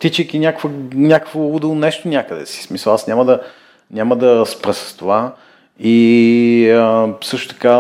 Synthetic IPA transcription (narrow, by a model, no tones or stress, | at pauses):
t̪it͡ʃəjkinʲjakkvənʲakə̥kvoud̪ɛlˠnɛʃt̪onʲakəd̪ɛ̰si̥smisəlˠasnʲaməd̪ɐ | nʲaməd̪ɐspɾəsə̥st̪ova | i | əsɤʃt̪o̥t̪ɐ̥ka